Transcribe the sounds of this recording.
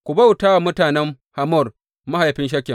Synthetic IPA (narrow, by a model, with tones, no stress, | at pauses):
kʷʊ˨ba˦wtaː˦wa˨mʊ˦taː˨nɛ˦m | ha˨mɔ˦˨r | ma˦ha˨jɸɪ˦nʃ̬ɐ˦kʲːɛ˨m